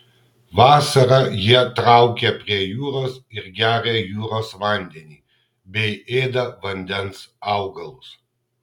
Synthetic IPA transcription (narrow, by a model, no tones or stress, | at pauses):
ʋɑːsɐɾɐjiɛt̪ɾɑˑʊkʲɛpʲɾʲiɛjuːɾoːsɪɾɡʲæːɾʲejuːɾoːsʋɐˑnʲd̪ʲɛnʲiː | bʲɛɪeːd̪ɐʋɐnʲd̪ʲɛnsɑʊɡɐlˠʊs